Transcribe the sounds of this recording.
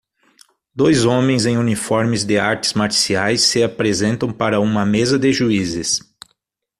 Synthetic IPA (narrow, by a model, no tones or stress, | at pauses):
d̪ojzõmẽj̃zẽj̃unifɔɾmɪzd̪ɪaɾt̪ɪ̥z̥maɾsiajsːɪapɾezẽnt̪ɐ̃w̃paɾɐũmɐmezɐd̪ɪʒuizɪs